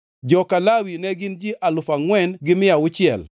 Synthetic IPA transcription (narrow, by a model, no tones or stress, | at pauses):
d͡ʒɔkalawinɛɡɪnd͡ʒiʔalʊfaŋwɛnɡɪmɪawʊt͡ʃɪɛ̰l